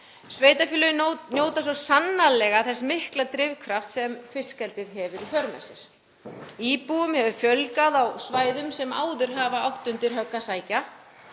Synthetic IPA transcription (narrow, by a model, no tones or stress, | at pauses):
sveːjt̪afjʏːlʏnjoːwt̪as̬ɔsanːalɛɣaθɛsːamɪhklat̪ɾɪvkʰvɾaft̪sɛmfɪ̥skɛlt̪ɪðɦɛvɪɾifœɾmɛ̰sɪɾ̥ | iːpuʏmhɛvʏfjœlkaðawsvaːjðʏmsɛma̰ːwðʏɾ̥ɦaːvaawht̪ʏnt̪ɪɾɦœkːasaːjca